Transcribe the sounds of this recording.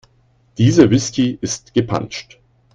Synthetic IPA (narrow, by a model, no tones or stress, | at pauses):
d̥iːzəvɪskiʔɪstɡ̥əpʰa̰nt͡ʃt